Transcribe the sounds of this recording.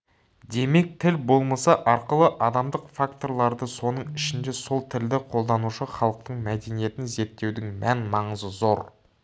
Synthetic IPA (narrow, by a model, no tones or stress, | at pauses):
d̪e̞me̞k̚t̪ʰɪlbo̞lˠmɑsɑʔɑɾqəlˠəʔɑd̪ɑmd̪əqfakt̪o̞ɾlˠɑɾd̪əso̞nəɴɪʃɪnd̪e̞so̞lˠt̪ʰɪld̪ɪqʰo̞lˠd̪ɑnuʃəχɑlˠəq̚t̪əɴmæd̪e̞nije̞t̪ɪnze̞ɾt̪ːe̞wd̪ɪŋmænmɑɴəzəzo̞ɾ